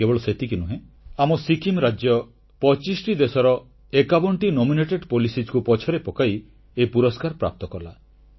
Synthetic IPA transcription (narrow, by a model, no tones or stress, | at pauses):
ebɔɭɔset̪ikinuɦẽ | amɔsikimɾad͡ʒjɔ | pɔt͡ʃisʈid̪esɔɾɔ | ekabɔɳʈinomineʈeɖpolisid͡ʒkupɔt͡ʃʰɔɾepɔkaj | eipuɾɔskaɾpɾa̰p̚t̪ɔkɔla